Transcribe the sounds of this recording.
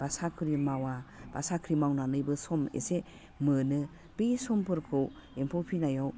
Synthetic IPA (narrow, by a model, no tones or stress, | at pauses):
b̥asakʰɯɾimawab̥a̰sakʰɾimawnanɯjbɯsɔmḛse | mɯnɯ | b̥esɔmpʰɯɾkʰɯw | empʰopʰinajaw